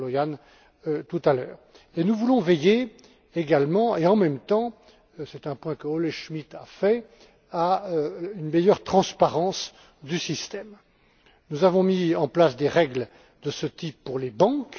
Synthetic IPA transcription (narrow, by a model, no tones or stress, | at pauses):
lɔjan | t̪ut̪alœ̰ːʁ | enuvulɔ̃vɛje | eɡalmɑ̃eɑ̃mɛmt̪ɑ̃ | sɛt̪ɛ̃pwɛ̃kəɔleʃmit̪a̰fɛ | a | ynmejœʁt̪χɑ̃spaʁɑ̃s | d̪ysist̪ɛm | nuzavɔ̃miɑ̃plasd̪eʁɛɡl | d̪əsət̪ipːuʁlebɑ̃k